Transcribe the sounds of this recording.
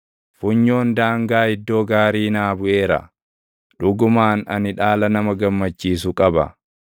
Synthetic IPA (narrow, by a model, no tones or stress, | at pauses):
fʊɲːo̞ːnd̪aːŋɡaːɪd̪ːo̞ːɡaːɾiːnaːbʊʔe̞ːɾɐ̰ | ᶑʊɡʊmaːnɐnɪᶑaːlɐnɐmɐɡɐmːɐt͡ʃːiːsʊkʼɐbɐ̰